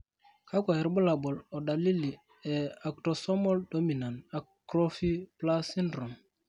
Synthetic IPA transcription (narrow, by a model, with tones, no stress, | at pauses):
ka˦kʷa˨jɛ˨ɾbu˦la˨bɔ˨lɔ˨da˨li˦li˨ | ɛ˨a˨k̚to˨sɔ˦mɔ˦ldo˦mi˨na˨nta˨kkɾo˦fi˦pla˦si˦ndɾo˨m